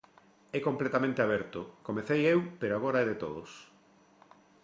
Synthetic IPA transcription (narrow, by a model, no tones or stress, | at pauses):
ɛkomplet̪amẽnt̪eaβɛɾt̪ʊkomeθejewpeɾoaɣ̞oɾaɛðet̪oðʊs